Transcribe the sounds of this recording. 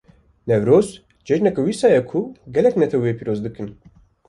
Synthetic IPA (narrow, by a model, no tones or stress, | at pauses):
nɛvɾoːs | d͡ʒɛʒnɛkɛwiːsɑːjɛkʰuɡɛlɛknɛt̪ʰɛwiepʰiɾoːzd̪ɨkɨn